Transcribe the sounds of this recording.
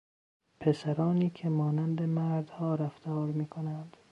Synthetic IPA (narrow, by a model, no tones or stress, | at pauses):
pʰesæɾɒːniːkʲʰemɒːnænd̪emæɾd̪hɒːɾæft̪ʰɒːɾmiːkʰonænd̪̥